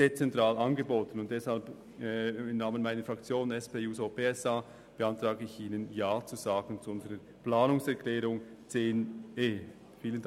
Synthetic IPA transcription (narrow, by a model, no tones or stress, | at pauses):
et͡sɛntʁ̥aːlanɡəboːtən̩ʊntd̥ɛshalp | ɪmnaːmənmaɪnəɾfʁakt͡sjoːnɛspeːuːzopeɛsa | b̥eantʁ̥aːɡəɪçiːnənjaːt͡suzaːɡn̩t͡suʊnzəʁə | pl̥aːnʊŋsɛʁkʰlɛːɾʊŋt͡seːneː | fiːlən